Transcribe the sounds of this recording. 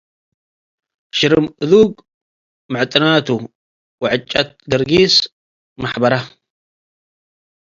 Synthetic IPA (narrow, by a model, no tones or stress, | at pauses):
ʃɪɾɨmʔɨðuːɡ | maʕt̪ʼɪnaːt̪u | wʕɪt͡ʃʼːat̪̚ɡɐɾɡiːs | maħbɐɾa